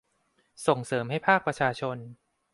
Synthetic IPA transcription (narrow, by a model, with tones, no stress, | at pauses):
so˨˩ŋsɤː˩˦mha˥˩jpʰaː˥˩k̚pɾa˧t͡ɕʰaː˧t͡ɕʰo˧n